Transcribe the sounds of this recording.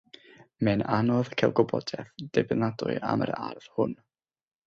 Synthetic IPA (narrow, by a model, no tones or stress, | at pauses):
mɛnanɔðkʰɛlˠɡɔbɔdɛfd̥ɛbɪnadʊ̰ɨʔa̰mə̰ɾarð̥hʊn